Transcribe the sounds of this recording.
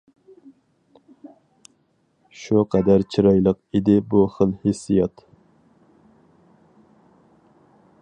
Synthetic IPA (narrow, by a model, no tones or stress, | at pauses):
ʃuqʰɛd̪æɾt͡ʃʰiɾɑjlˠəqid̪ɪbuχəlˠhesːijɑt̪